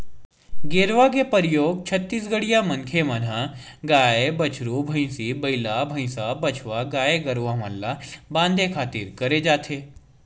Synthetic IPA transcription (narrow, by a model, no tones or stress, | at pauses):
ɡeːɾʋakepəɾɪjoːɡ̚t͡ʃʰɐt̪ːiːsɡəɽijamɐ̃ŋkʰemɐnã | ɡaːebɐt͡ʃʰɾobʱə̃ɪ̃sibɐɪlabʱɐ̃ɪ̃sabɐt͡ʃʰʋaɡaːeɡɐɾʋamalːabãːnd̪ʱekʰaːt̪ɪɾkɐɾed͡ʒaːt̪ʰeː